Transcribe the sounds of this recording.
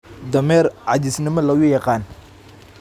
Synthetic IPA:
d̪ɐmɛːrʕɑd̪ɪsnɪmɐlɐɣʊjɑqɑːn

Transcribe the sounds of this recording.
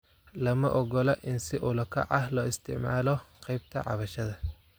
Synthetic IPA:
lɐmɐʔɔɡɔlɐʔɪnsɪʔʊlɐkʰɐ̰ʕɑhlɔːɪst̪ʰɪ̰ʕma̰ːlɔqɑjb̚t̪ʰɐ̰ʕɑ̰βɐʃɐðɐ

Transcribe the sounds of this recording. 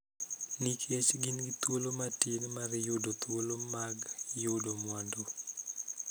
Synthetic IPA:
nikʰet͡ʃɡinɡit̪wolomatinmaɾjʊdot̪wolomaɡjʊdomwando

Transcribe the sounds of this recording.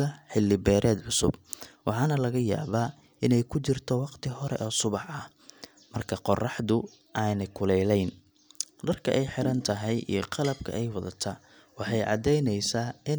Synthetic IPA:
ɐħɪlːɪbɛːɾʔɛːd̪ʕʊsʊ̰b̚wɑħɑːnɐlɐɣɐja̰ːβaː | ɪnɛjkʰʊt͡ʃɪrt̪ʰɔwɑqt̪ʰɪhɔɾɛ̰ʔɔːsʊβɑħɐh | mɐrkʰɐqɔrɑħðʊ | ʔaːnɛjkʰʊlɛjlɛjn | ɖɐrkʰɐ̰ʔɛjħɪɾɐnt̪ʰɐɦɛjʔḭjɞqɑlɐb̚kʰɐ̰ʔɛjwɐðɐt̪ʰaː | wɑħɑjʕɑ̰d̪ɛjnɛjsaːɪn

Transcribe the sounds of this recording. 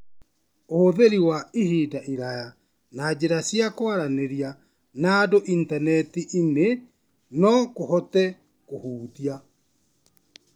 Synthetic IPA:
oðeɾiwaihidaʔiɾaja | nad͡ʑeɾasjakwaɾaneɾia | naːdoʔintanɛtiʔine | nɔkohɔtɛ | kohuːðia

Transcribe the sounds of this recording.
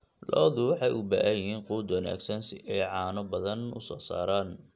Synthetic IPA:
lɔːðʊwɑħɑjʔʊbaːʔɐjɪɦiːnquːd̪wɐna̰ːɡsɐnsɪɛjʕɑːnɔbɐðɐnʊ̰sɔːsa̰ːɾaːn

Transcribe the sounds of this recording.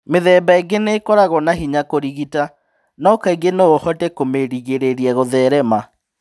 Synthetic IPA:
meðɛːbaeɡeneːkɔɾaɣɔnaɦiɲakoɾiɣita | nɔkaiɡenoohɔtɛkomeɾiɣeɾeɾiɛɣoðɛɾɛma

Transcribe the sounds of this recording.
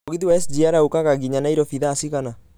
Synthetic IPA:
okit̪iwaɛsd͡ʒiaɾaukakaɡiɲanaiɾɔfiðasikana

